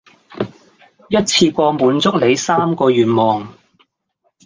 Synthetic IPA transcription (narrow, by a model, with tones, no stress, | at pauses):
jɐ˥t̚t͡sʰiː˧kʷɔː˧muː˨˥nt͡sʊ˥k̚le˨˧jsaː˥mkɔː˧ɥyː˨˩t̚mɔː˨˩ŋ